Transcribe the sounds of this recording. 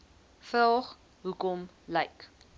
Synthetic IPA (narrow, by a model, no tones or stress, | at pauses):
fəlˠχ | ɦukɔm | lɐjk